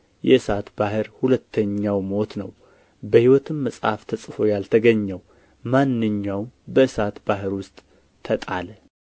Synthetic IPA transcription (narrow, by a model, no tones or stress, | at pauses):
jɛɨsat̪bahɨɾhulət̪ʰːəɲːawmo̞t̪nəw | bəhiwɔt̪ʰɨmːəsʼha̰ft̪ʰəsʼfo̞jalt̪ʰəɡəɲːəw | manːɨɲːawbəɨsat̪b̥aɦɨɾwʊst̪ʼːʰ | ət̪ʼalə